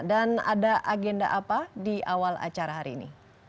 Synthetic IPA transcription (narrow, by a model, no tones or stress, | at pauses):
dana̰daʔaɡɛnda̰ʔapadiʔawala̰t͡ʃaɾaɦaɾiːnḭ